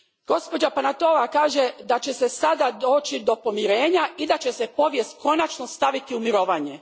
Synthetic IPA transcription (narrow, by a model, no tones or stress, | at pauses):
ɡ̥o̞spo̞d͡ʒapanat̪o̞lakaːʒed̪at͡ɕe̞sesad̪ad̪o̞ːt͡ʃid̪o̞po̞miɾe̞ːɲaid̪at͡ɕesepo̞ʋjest̪ko̞nat͡ʃnost̪aʋit̪iumiɾo̞ːʋaːɲe̞